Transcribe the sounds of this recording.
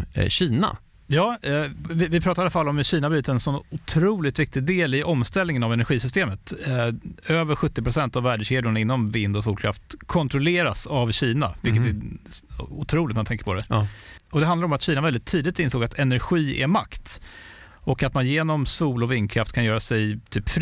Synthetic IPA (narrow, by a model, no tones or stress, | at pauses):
ɕiːna̰ | jɑːvɪvɪpʰɾɑːt̪aɾalafalːɔmɪɕiːnabɾyːt̪əɛnsɔnːʊt̪ʰɾuːlɪt̪vɪk̚t̪ɪɡd̪eːlɪʔɔmst̪ɛlnɪŋənavɛnæɾɧiːsʏst̪eːmət̪ | øːvəɾɧɵt̪ːɪpɾʊsɛnt̪avːæːɖəʂeːd̪ʊɳaɪnːɔmvɪnd̪ɔsuːlkʰɾa̰ft̪kʰɔnt̪ɾɔleːɾasavɕiːna̰vɪlk̬ːət̪æ | ʊt̪ʰɾuːlɪt̪mant̪ʰɛŋkə̥ɾpʰɔd̪ɛɔd̪ɛɦand̪aɾɔmat̪ɕiːnavɛld̪ɪt̪ʰːiːd̪ɪt̪ɪnsoːɡat̪ʰɛnæɾɧiːʔɛ̰ma̰kt̪ | ɔkat̪manjeːnɔmsuːlɔvɪnd̪̚kʰɾaft̪kʰanjœːɾasɛjt̪ʰyːpf